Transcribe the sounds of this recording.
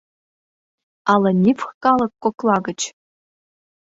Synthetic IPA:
ɑlˠɤ̆nʲifxkɑlˠɤ̆kːoklˠɑɡə̆t͡ɕ

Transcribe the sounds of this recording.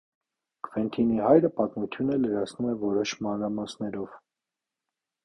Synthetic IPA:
kʰvɛnt̪ʰiniɦɑjɾəpɑt̪mut̪ʰjunələɾɑt͡sʰnumɛvɔɾɔʃmɑnɾɑmɑsnɛɾɔv̥

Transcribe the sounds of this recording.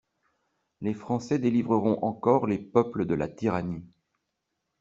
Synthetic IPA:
lefχɑ̃sɛd̪elivʁəʁɔ̃ʔɑ̃kɔʁlepœpləd̪əla̰t̪iʁani

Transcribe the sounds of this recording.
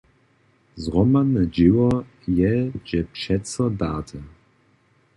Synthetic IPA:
zʁɔmanəd͡ʒɪwɐ | jɛd͡ʒɛpʃɛt͡sɐdaːtʰə

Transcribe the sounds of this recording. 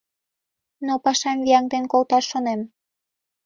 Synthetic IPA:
nopɑʃɑmviɑŋd̪enkolt̪ɑʃːonem

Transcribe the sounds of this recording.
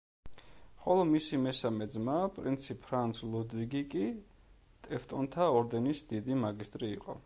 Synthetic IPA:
χɔlˠɔmisimɛsamɛd̪zmapʼɾḭnt̪sʰipʰɾant̪sʰlˠɔd̪viɡikʼi | t̪ʼɛft̪ʼɔnt̪ʰaɔɾd̪ɛnisd̪id̪imaɡist̪ʼɾiːqʼɔ̰

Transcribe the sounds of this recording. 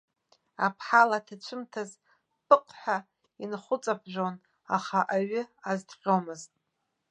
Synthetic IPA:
apʰħalatʰat͡ʃʷʰɨmtʰaz | pʰʼɨqʼħʷᶣa | inχʷʊt͡sʼab̚ʰʒʷᶣon | a̰χaʔaɥʏazdqʲomɨztʼ

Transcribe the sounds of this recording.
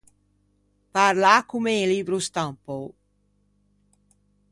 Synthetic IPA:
paɾlakumelibɾust̪ampow

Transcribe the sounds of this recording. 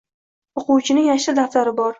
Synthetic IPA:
oqʰʊwt͡ʃʰɪnɪŋjaʃɪd̪aft̪aɾɪbɒɾ

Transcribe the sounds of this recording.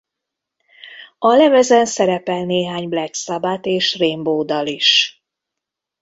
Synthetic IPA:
ɒlɛvɛzɛnsɛɾɛpɛlneːɦaːɲblɛksabat̪eːʃreːmboːd̪ɒliʃ

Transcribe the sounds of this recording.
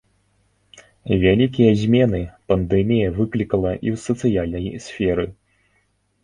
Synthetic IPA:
vʲalʲikʲijɐzʲmʲɛnɨpɐnd̪ɛmʲijɐvɨklʲikɐlˠɐʔḭwsɐt̪sɨjalʲnɐjsʲfʲɛɾɨ

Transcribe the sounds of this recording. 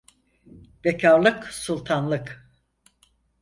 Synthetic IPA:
becʰaɾlˠɯksulˠt̪ʰanlˠɯk

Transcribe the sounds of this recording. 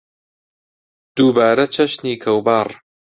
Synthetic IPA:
d̪̥uːbaːɾɐt͡ʃʰɐʃniːkʰɐwbaːrˤ

